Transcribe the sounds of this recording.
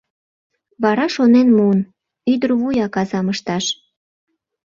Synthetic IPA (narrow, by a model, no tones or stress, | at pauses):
βɑɾɑʃonenmuən | yd̪ərβujɑkɑzɑməʃt̪ɑʃ